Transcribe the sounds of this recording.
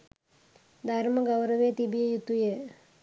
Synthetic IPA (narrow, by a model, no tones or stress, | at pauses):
d̪ʱɐɾmɐɡɐwɾɐʋeːt̪ibijejut̪ːuje